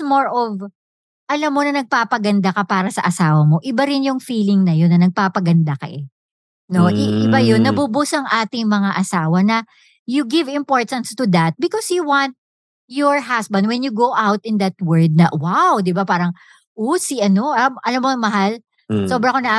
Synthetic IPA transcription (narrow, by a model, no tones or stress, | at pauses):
moɹʔɔv | ʔɐlamːonɐnɐɡ̚paːpɐɡɐnd̪akɐpaːɾɐsɐʔɐsaːwɐmo̞ʔɪbaɾɪnjʊŋfiːlɪŋnɐjonɐnɐɡ̚papɐɡɐnd̪ɐkɐ̰ʔɛ | noʔɪɪbajonːɐbʊbʊsɐŋʔaːt̪ɪŋmɐŋaʔɐsaːwɐnɐ | juɡɪvɪ̃mpoɹt̪ɐnst̪ʊd̪ɐt̪̚bɪkɔsjuwɑnt̪̚ | jɔɹɦasbɐnd̪wɛnjuɡowʔawt̪ɪnd̪ɐt̪̚wɛɹd̪̚nɐwawd̪ɪbapaːɾɐŋ | ʔosiʔɐnoɐmʔɐlamːoɐŋmɐɦal | soːbɾɐkonɐʔ